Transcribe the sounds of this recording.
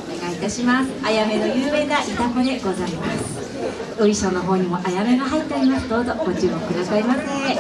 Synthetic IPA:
neɡait̪aɕimasɨ̥ajame̞nojɯːme̞ːnaʔit̪ako̞d̪e̞ɡo̞zaimasɨ̥ | oɾʲiɕõnːoɦo̞ːɲ̟imo̞ʔajame̞ɡaɦait̪ːeaɾʲimasɨ̥d̪o̞ːzo̞ɡo̞t͡ɕɨːmokɯ̟d̪asaimase

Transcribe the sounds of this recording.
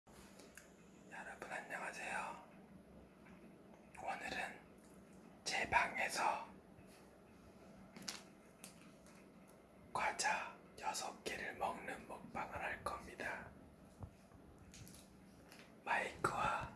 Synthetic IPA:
jʌɾabɯnaɲːʌŋasʰejo | onɯɾɯn | t͡ɕe̞baŋe̞sʰʌ | kwad͡ʑʰa | jʌsʰʌk͈eɾɯɭmʌŋnɯnmok̚p͈aŋɯɾhaɭk͈ʌmɲida | maikʰɯwa

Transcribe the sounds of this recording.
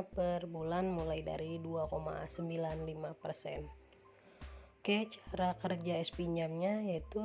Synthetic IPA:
pərbulanmulajda̰ɾiduakoma̰səmbilanlimapərsɛ̰n | kət͡ʃḁɾakərd͡ʒaɛspiɲd͡ʒamɲajait̪u

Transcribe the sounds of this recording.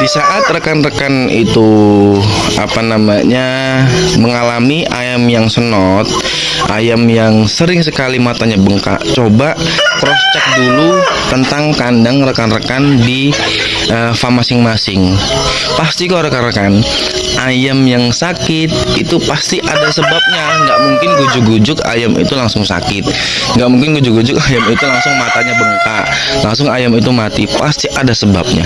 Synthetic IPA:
disaʔat̪̚rəkanrəkan | ḭt̪u | a̰panamaɲa | məŋalamiʔa̰jamjaŋsənɔt̪̚ | ʔa̰jamjaŋsəɾɪŋsəkalimat̪aɲabəŋka̰ʔt͡ʃobaʔ | kɾɔst͡ʃak̚dulut̪ənt̪aŋkandaŋrəkanrəkandi | ʔəfamasɪŋmasɪŋ | past̪ikaɾəkanrəkan | ʔajamjaŋsakɪt̪̚it̪upast̪iʔadasəbap̚ɲaŋɡaʔmuŋkɪnɡud͡ʒʊkɡud͡ʒʊka̰jamḭt̪ulaŋsʊŋsa̰kɪt̪̚ | ŋɡaʔmuŋkɪnɡud͡ʒʊkɡud͡ʒʊkajamit̪ulaŋsʊŋmat̪aɲabənk̪aʔ | laŋs̬ʊŋajamit̪umat̪ipast̪iʔadasəba̰p̚ɲa̰

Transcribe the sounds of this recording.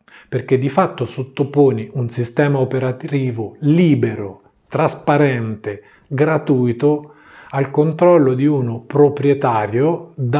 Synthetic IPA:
perk̟ed̪ːifat̪ːosot̪ːopoːniʔunsist̪ɛːmaopeɾat̪ɾiːvoliːbeɾo | t̪ɾaspaɾɛnt̪e | ɡɾat̪uːjt̪o | alkont̪ɾɔlːod̪iunopɾopɾjet̪aːɾjod̪a

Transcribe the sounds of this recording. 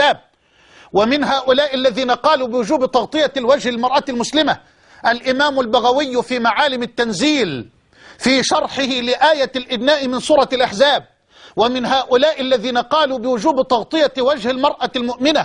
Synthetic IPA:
aːb̚ | wamɪnɦaːʔʊlaːʔɪlːaðiːnaqɑːluːbɪwʊd͡ʒuːbt̪ˤɑɣt̪ˤɨjalwad͡ʒhɪlmɑɾˤʔalmʊslɪma | ʔalʔɪmaːmʊlbaɣawɪjːʊfiːmaʕaːlɪmɪt̪ːanziːl | fiːʃɑɾˤħɪhɪlɪʔaːjalʔɪbnaːʔɪmɪnsuːɾˤɑlʔaħzaːb̚ | wamɪnɦaːʔʊlaːʔɪlːaðiːnaqɑːluːbɪwʊd͡ʒuːbt̪ˤɑɣt̪ˤɨjawad͡ʒhalmɑɾˤʔalmʊʔmɪna

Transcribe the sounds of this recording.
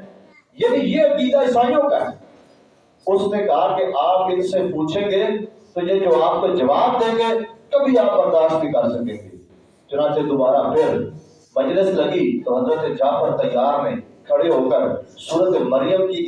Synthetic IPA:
jenijeəkiːd̪aːɪsaːijõːkəɾe | ʊsneːkɐɦakeʔaːp̚kɪsepuːt͡ʃʰẽːɡeː | t̪od͡ʒeːd͡ʒoːaːp̚ked͡ʒəʋaːbd̪eːɡeːkəbʱiaːpːəɾd̪aːʃb̪ʱĩkəɾsəkẽːɡeː | t͡ʃʊnãːt͡ʃed̪ʊbaːɾapʰɪɾ | məd͡ʒlɪsləɡiːt̪oːɦəzɾət̪ed͡ʒaːpəɾt̪əjːaːɾmẽːkʰəɽeɦoːkəɾsuːɾət̪eməɾɪjəmki

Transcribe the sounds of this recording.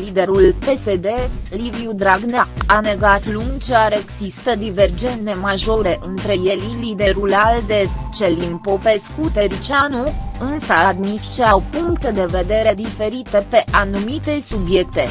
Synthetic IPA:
lid̪e̞ɾulpe̞se̞d̪e̞livjud̪ɾaɡnaane̞ɡat̪luŋɡt͡ʃeaɾeɡsist̪əd̪ive̞rd͡ʒe̞nemaʒo̞ɾe̞ʔɨnt̪ɾe̞jelilid̪e̞ɾulald̪et͡ʃe̞linpo̞pe̞skut̪e̞ɾit͡ʃanuɨnsəad̪mist͡ʃeawpuŋkt̪ed̪e̞ve̞d̪e̞ɾe̞d̪ife̞ɾit̪epe̞ʔanumit̪e̞subje̞kt̪e̞̰

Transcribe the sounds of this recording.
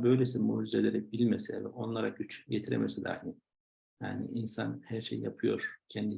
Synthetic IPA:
bø̞jlʲes̬imuːd͡ʒizelʲe̞ɾɛbilʲmesɛvɛo̞nlˠaɾaɟyt͡ʃjet̪ʰiɾḛmʔesɛd̪a̰jnɪ | ja̰ːnḭʔinsanhæɾʃejːjapʰɯjo̞̰ɾ̥cʰɛnd̪i

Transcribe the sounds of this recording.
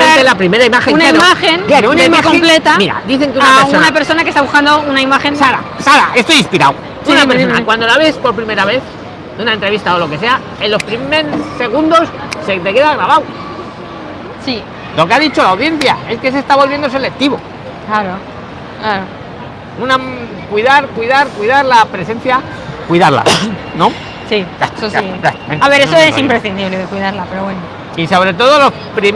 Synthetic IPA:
eelapɾime̞ɾaimaxeunamaxenaunmakomplet̪amiɾa̰d̪iθe̞ŋkeunasunape̞ɾso̞nakest̪aβuskand̪ounaimaxensaɾa̰saɾaest̪oinspiɾa̰w | sinapeɾsoakwand̪o̞laβe̞spo̞ɾpɾime̞ɾaβe̞θ | d̪eunaent̪ɾe̞βist̪aolo̞ke̞se̞a | enlo̞spɾimeɾseɣ̞und̪o̞sse̞t̪e̞ke̞ðaɣɾaβaw | si | lo̞keaðit͡ʃo̞lawðjen̟θjae̞ske̞s̬e̞st̪aβo̞lβje̞nd̪osele̞k̚t̪iβo | klaɾo | klaɾo | una | kwiðaɾkwiðaɾkwiðaɾlapɾe̞se̞n̟θja | kwiðaɾla̰no̞ | siiaβe̞ɾesoesimpɾesθind̪iβleðekwiðaɾlapeɾoβweno | iso̞βɾe̞t̪̬o̞ð̞o̞lo̞s | pɾi

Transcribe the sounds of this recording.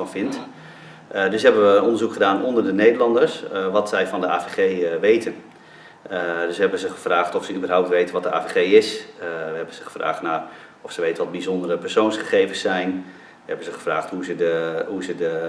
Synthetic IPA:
ɑnfɪnt | dɵsɦɛbəʋənɔndərzukχədaːnɔndərdənejdəlɑndərsʋɑtsɛjfɑndəa̰ːveχejʋejtʰən | dɵsʋɦɛbənzəχəfraːχtɔfsəybərɦawp̚tʋejtənʋɔt̚dəa̰ːveχejɪsʋəɦɛbənz̥əχə̥fra̰ːχtnar | ɔfsəʋejtənʋɔt̚bizɔndərəpɛrsownsχəχejvəsɛjn | ʋəɛbən̩zəχə̥fraːχthuzədəɦuzədə

